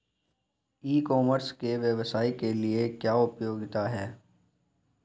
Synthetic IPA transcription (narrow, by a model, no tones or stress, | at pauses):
iːkɔːməɾskeʋjɛʋsaːikeliekjaːʊpjoːɡɪt̪aɦɛː